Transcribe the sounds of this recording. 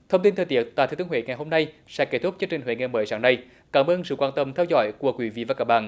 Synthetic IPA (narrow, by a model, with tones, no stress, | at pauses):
t̪ʰə˧wŋ͡mt̪i˧nt̪ʰəː˨jt̪i˧˨ək̚t̪a̰ː˨˩t̪ʰːt̪ːŋwḛ˧˨ŋa˨˩jɦo˧mna˧j | sɛ̰˧˥ke˦˥t̪ʰʊ˦˥k͡p̚t͡ɕɨ˧ŋt͡ɕï˨˩ŋ̟ɦwḛ˧˨ŋɛ˨˩məː˨˦jsaː˧˩ŋna˧j | kaː˧˩mʔəː˧nsɨ̰˧˨kwaː˧nt̪ə˧mt̪ʰɛ˧wzɔ̰˧˦jku˧˩əkwi˧˨˦vḭ˧˨vaː˨˩kaː˧˩k̚ɓa̰ː˧˨nʔ